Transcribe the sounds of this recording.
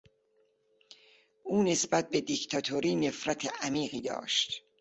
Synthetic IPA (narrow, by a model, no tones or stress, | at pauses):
ʔuːne̞sbæt̪̚be̞d̪ikt̪ʰɒt̪ʰoɾiːne̞fɾæt̪ʰeʔæmiːɢiːd̪ɒ̰ːʃt̪